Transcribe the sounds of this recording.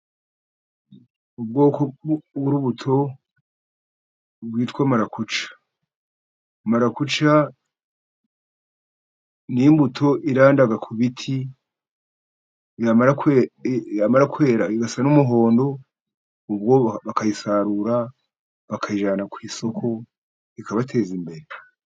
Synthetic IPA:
ub̚ɡo̞ːkoβuɾuβutʰo̞ | bwiːtkwamaɾakut͡ʃḁ | maɾakut͡ʃa | nijimbutʰo̞ʔiɾaːndaɡakʰuβitʰi | jamaɾakwejamaɾakwe̞ːɾaiɡasanumuɦo̞ːndo̞ | ub̚ɡo̞βakajisaɾuɾa | βakʰajiʒaːnakwiːso̞kʰo̞ | ikaβatʰe̞ːzimbe̞ɾe

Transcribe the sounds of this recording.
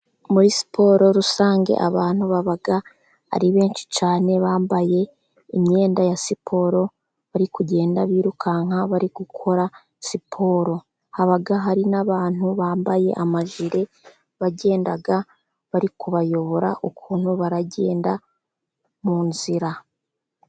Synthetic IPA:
muɾisi̥pʰo̞ːɾo̞ɾusaːŋɡe̞̰ʔaβaːn̥huβaβaɡa | a̰ɾiβe̞ːnʃi̥t͡ʃaːne̞βaːmbaje̞ | imɲe̞ːndajasipʰo̞ɾo̞ | βaɾikuɟe̞ːndaβiːɾukʰaːŋ̥haβaɾiɡ̥ukʰo̞ɾa | sipʰo̞ːɾo̞ | haβaɡaɦaɾinaβaːn̥uβaːmbaje̞̰ʔamaʒiɾe̞ | βaɟe̞ːndaɡa | βaɾikuβajo̞βo̞ɾa̰ʔokʰuːn̥huβaɾaɟe̞ːnda | muːnziɾa

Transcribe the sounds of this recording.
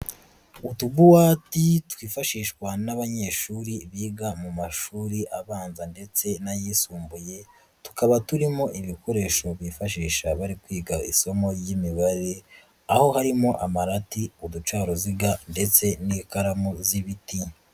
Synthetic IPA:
utubuwaːtitwiːfaʃiːʃwanaβaɲe̞ːʃuːɾiβiːɡamumaʃuːɾiʔaβaːnzande̞t͡se̞najiːsuːmbuje̞ | tu̥kaβatuɾimo̞ʔiβiko̞ɾe̞ʃo̞βifaʃ̬iːʃaβaɾikwiːɡaḭso̞mo̞ɾjimiβaɾe̞ | aho̞haɾimo̞ʔamaɾatiudut͡ʃaːɾo̞ziɡande̞t͡se̞niːkaɾamoziβiti

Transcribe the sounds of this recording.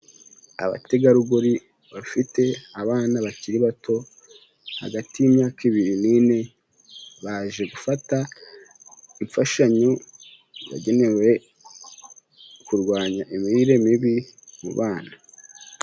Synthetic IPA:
a̰βa̰te̞ɡaɾuɡuɾi | βafite̞aβaːnaβaciɾiβato̞ | ha̰ɡatijimɲaːkiβiɾinine̞ | βaʒe̞ɡufata | iɱfaʃaɲo | βa̰ɟe̞ne̞we | kuɾɡwaːɲaʔimiiɾe̞miβimṵβaːna

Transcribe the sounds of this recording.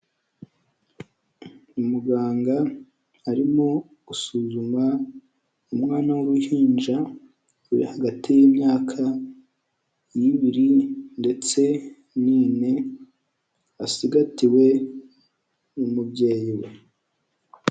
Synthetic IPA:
umuɡaːŋɡaː | ɾimo | ɡusuːzuma | umŋaːnawuɾuhiːnd͡ʒa | uɾḭhaɡatijiːmɲaːkʰa | jiβiɾinde̞t͡se̞ | niːne̞ | asiɡatiwe̞ | umubɟe̞ːjiwḛ

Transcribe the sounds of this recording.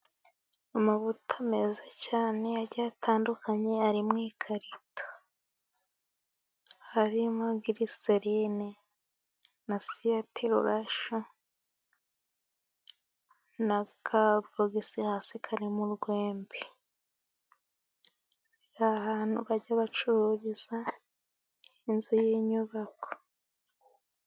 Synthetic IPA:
omuβutʰamezacaːne̞aɾɟaːtʰaːndukaɲe̞aɾimŋiːkʰaɾito̥ | haɾimaɡiɾiseɾine | nasijatʰiɾṵɾaʃo | nakʰabɾoɡisihaːsikʰaɾimuɾɡweːmbi | ɾahaːn̥hṵβaɟaβat͡ʃuɾuβiza | inzujiɲuβako̥

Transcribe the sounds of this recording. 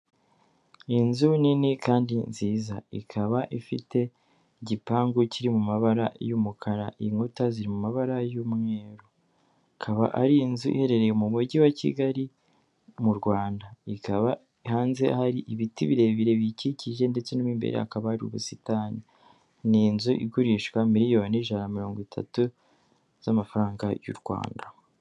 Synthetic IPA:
inzuninikaːndinziːzaḭkʰaβaʔifite̞ | ɟipaːŋɡuciɾimumaβaɾajumukʰaɾaʔiŋutaziɾimumaβaɾajumŋe̞ːɾo | akʰaβa̰ʔaɾiːnzuʔḭhe̞ɾe̞ɾe̞jemuβuɟiwacḭɡaɾi | muɾɡwaːndaikaβa | ihaːnze̞haɾiʔiβitiβiɾe̞βiɾe̞βiciciʒe̞nde̞t͡se̞numimbḛɾḛa̰kaβahaɾiṵβusitani | niːnzuʔḭɡuɾiʃkwamiɾijo̞ːniʒanamiɾo̞ːŋɡwitʰa̰tu | z̥amafaɾaːŋɡajṵɾɡwa̰ːnda

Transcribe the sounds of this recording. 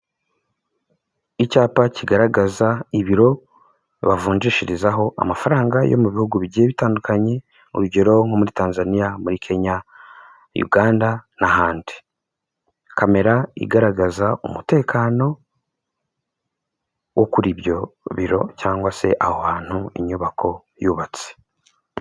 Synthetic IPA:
icaːpaciɡaɾaɡazaiβiɾo̞ | βavuːɲd͡ʒiʃiɾizaɦo̞ʔa̰mafaɾaːŋɡajo̞̰muβihuɡuβiɟeβitaːndukaɲe̞ | ṵɾuɟe̞ɾo̞ŋ̥o̞muɾitaːnzanijamuɾikʰe̞ɲa | jṵɡaːndanahaːndi | kame̞ɾaḭɡaɾaɡazaṵmute̞ːkʰaːno̞ | wʔo̞kuɾiβjo̞βiɾo̞̰caːŋɡwase̞̰ʔahohaːn̥huḭɲuβakʰo̞ | juːβat͡se̥

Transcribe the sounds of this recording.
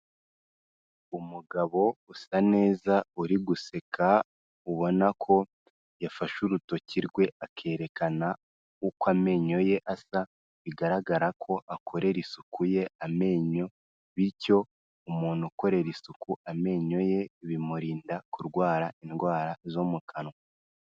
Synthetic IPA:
umuɡaβo̞usane̞ːzauɾiɡuse̞kʰa | uβo̞nakʰo̞ | jafaʃuɾuto̞ciɾɡwe̞akʰe̞ːɾe̞kana | ukwame̞ːɲo̞je̞ʔasa | βiɡaɾaɡaɾakʰo̞ʔakʰo̞ɾe̞ɾisukʰuje̞ame̞ːɲo̞ | βiɾco̞ | umuːn̥huko̞ɾe̞ɾisukuʔame̞ːɲo̞je̞βimuɾiːndakuɾɡwaːɾainɡwaːɾazomukʰano

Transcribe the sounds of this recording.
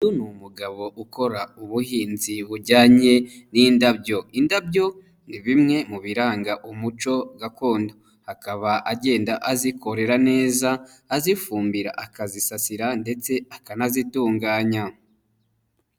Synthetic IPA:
junumuɡaβo̞ʔuko̞ɾauβuhiːnziβuɾɟaːɲe̞niːndabɟo̞indab̚ɟo̞ | niβimŋe̞muβiɾaːŋɡaʔumut͡ʃo̞ɡako̞ːndo | hakaβaʔaɟe̞ːndaʔaziko̞ɾe̞ɾane̞ːzaː | zifuːmbiɾa̰ʔakazisasiɾande̞t͡se̞akanazituːŋɡaːɲa

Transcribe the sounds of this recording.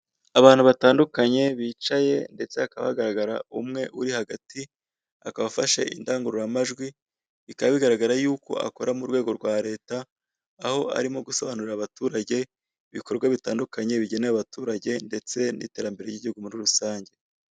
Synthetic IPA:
aβaːnhuβataːndukaɲe̞βiːt͡ʃaje̞nde̞t͡se̞akaβa̰ɡaɾaɡaɾa̰umŋe̞ʔuɾihaɡati | a̰kaβafaʃḛʔḭndaːŋɡuɾuɾamaʒɡwi | βikaβaβiɡaɾaɡaɾajuːko̞̰ʔa̰ko̞ɾamuɾwe̞ːɡo̞ɾɡwaːɾe̞ːtaː | ho̞ʔa̰ɾimo̞ɡuso̞βanuɾiɾaβatuɾaɟe̞ | βiko̞ɾɡwaβitaːndukaɲe̞βiɟe̞neaβatuːɾaɟe̞nde̞t͡se̞nḭte̞ːɾambe̞ɾejiɟihuɡumuɾiɾusaːɲɟe̞

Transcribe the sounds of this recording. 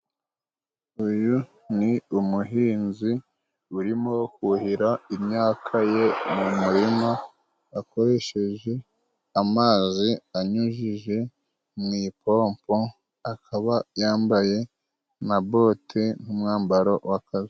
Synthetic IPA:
uju | niumuɦiːnzi | uɾimo̞kuhiɾaimɲaːkʰaje̞mumuɾimaː | ko̞ɾe̞ʃe̞ʒe̞ | amaːziaɲuʒiʒe̞ | mŋiːpʰoːmpo | akʰaβajaːmbaje̞ | nabo̞tʰen̥humŋaːmbaɾowakazi

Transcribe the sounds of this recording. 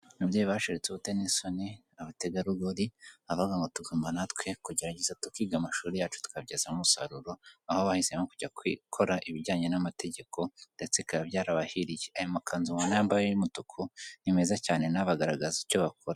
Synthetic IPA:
nuβjeːjiβaʃeɾet͡suβute̞niso̞ni | aβateɡaɾuɡoɾiaβaɡaŋɡotuɡoːmbanatwekuɟe̞ɾaɟezatukiːɡamaʃuːɾejaːt͡ʃu̥tu̥kaβɟazamumusaɾuɾo̞ahoβahisemokuɟakwḭkʰo̞ɾaʔiβiɟaːɲe̞namate̞ɟe̞kʰo̞ndet͡sekabɟaːɾaβahiɾijeajomakʰaːnzumonaambajojumutukʰonime̞zacaːne̞naβaɡaɾaɡazico̞βakʰoɾa

